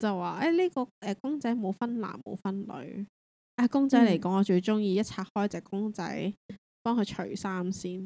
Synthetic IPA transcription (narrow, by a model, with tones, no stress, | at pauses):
t͡sɐ˨wːaː˨˩ʔɛ˨˥˩liː˥kɔː˧ʔɛː˨˧kʊ˥ŋt͡sɐ˨˥jmo˨˧wfɐ˥nla̰ː˨˩nmo̰˨˧wfɐ˥nlɵ̰˨˧˥ɥ | ʔaː˧kʊ˥ŋt͡sɐ˨˥jle˨˩jkɔː˨˥ŋɔː˨˧t͡ʃɵ˧ɥt͡sʊ˥ŋjiː˨˧jɐ˥t̚t͡sʰaː˧t̚hɔː˥jt͡sɛː˨kːʊ˥ŋt͡sɐ̰˨˥j | pɔː˥ŋkʰɵ˨˧ɥt͡ʃʰɵ̰˨˩ɥsaː˥msiː˥n